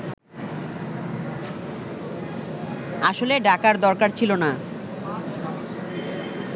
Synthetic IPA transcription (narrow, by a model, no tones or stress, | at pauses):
aʃoleɖakaɾd̪ɔɾkaɾt͡ɕʰilona